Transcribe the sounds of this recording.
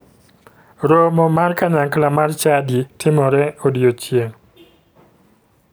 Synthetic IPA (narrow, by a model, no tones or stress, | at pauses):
ɾomɔmarkaɲaŋklamart͡ʃaditʰɪmɔɾɛodiot͡ʃjeŋ